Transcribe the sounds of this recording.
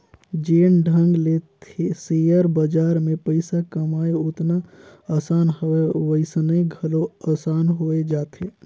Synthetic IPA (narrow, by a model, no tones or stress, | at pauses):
d͡ʒeːnɖʱə̃ŋɡlet̪ʰesejəɾbəd͡ʒaːɾmẽpəɪsakəmaːeʊt̪naasaːnɦəeʋəɪsneɡʱəloasaːnɦoed͡ʒaːt̪ʰe